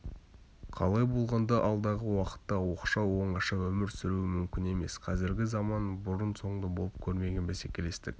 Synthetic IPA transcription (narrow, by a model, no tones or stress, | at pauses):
qʰɑ̰lˠɑjbo̞lˠʁɑnd̪ɑʔɑlˠd̪ɑʁəwɑqə̥t̪ːɑwo̞qʃɑwo̞ɴɑʃɑwɵmɪɾsʏɾuɪmʏmkʲɪne̞me̞sqʰɑzɪɾɡʲɪzɑmɑnbʊɾənso̞ɴd̪ɑbo̞lˠəp̚kʲʰɵɾme̞ɡʲenbæse̞kʲe̞le̞st̪ɪ̰k̚ʲ